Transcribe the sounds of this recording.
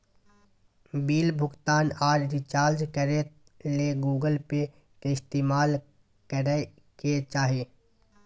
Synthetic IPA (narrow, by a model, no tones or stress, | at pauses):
biːlbʱʊɡt̪aːnaːɾɾit͡ʃaːɾd͡ʒkəɾe | leɡuːɡəlpe | kɪst̪eːmaːl | kəɾ | ket͡ʃaːɦeː